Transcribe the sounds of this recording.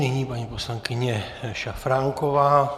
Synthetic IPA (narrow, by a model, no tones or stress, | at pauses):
ɲɛɲiːpaɲiposlaŋkiɲɛ | ʃafɾaŋkɔʋaː